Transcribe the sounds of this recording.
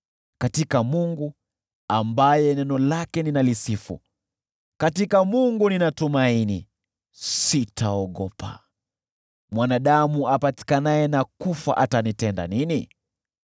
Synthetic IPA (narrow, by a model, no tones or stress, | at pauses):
katikamuŋɡu | ambajɛnɛnɔlakɛninalisifṵ | katikamuŋɡuninatumainḭ | sitʰaɔɠɔpʰa̰ | mwanaɗamuapati̥kanajɛnakufa̰ʔatanitɛnda̰nini